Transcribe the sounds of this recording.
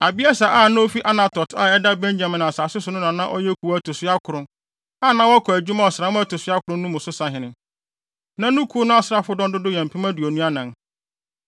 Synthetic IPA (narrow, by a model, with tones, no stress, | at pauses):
a˨bi˦a˦sa˨ʔaː˦˨nã˦o˦fi˦ʔa˦nã˨tʰɔ˨tʰa̰ː˦˨ɛ˦da˦bɛ̃˦ɲd͡ʑa˨mɪ̃˨nã˨saː˨sɪ˦sʊ˨nʊ̃˦nã˨nã˦ʔɔ̰˦jɛ˦kʰu˨˦æ˦tʊ˨sɪ˦a˦kʰʊ˨ɾʊ̃˦ | aː˦˨nã˦wɔ˦kʰɔ˨æ˨d͡ʑᶣu˦mã˦ɔ˨sa˨˦mʊ̃˦æ˦tʊ˨sʊ˦a˦kʰʊ˨ɾʊ̃˦nʊ̃˦mʊ̃˨sʊ˦sã˨ɦɪ̃˨nɪ̃˨ | nã˦nʊ̃˦kʰu˦nʊ̃˦a˦sɾa˦fʊ˦dɔ̃˦ndʊ˦dʊ˦jɛ̃˨m̩˨pʰĩ˦mã˦du˨o˨nũ˦a˦nã˨n